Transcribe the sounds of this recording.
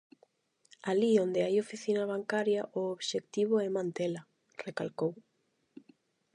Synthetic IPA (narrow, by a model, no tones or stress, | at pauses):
aliond̪ɪajofiθinɐβ̞aŋkaɾjɐʔooβʃekt̪iβʊɛmãnt̪elɐ | rekalkow